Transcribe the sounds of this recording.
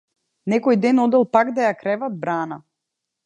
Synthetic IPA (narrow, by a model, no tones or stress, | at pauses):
nɛkɔjd̪ɛnɔd̪ɛlˠpaɡd̪ajakɾɛvad̪̚bɾana